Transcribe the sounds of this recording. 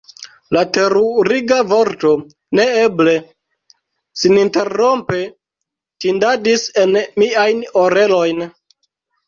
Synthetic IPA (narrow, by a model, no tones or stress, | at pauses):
late̞ɾuɾiɡavo̞ɾto | ne̞eble̞ | sininte̞ro̞mpe | tindadise̞nmiajnoɾe̞lo̞jn